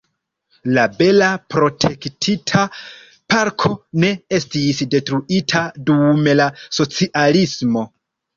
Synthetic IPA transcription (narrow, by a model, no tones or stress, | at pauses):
labe̞lapɾo̞tʰe̞ktʰitʰa | paɾkʰo̞ne̞e̞stisde̞tɾuitʰadume̞laso̞t͡siʔalismo̞